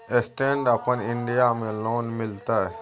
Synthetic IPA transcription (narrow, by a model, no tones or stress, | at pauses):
esʈẽːɳɖɐpənɪɳɖijamẽloːnmɪlt̪aɛ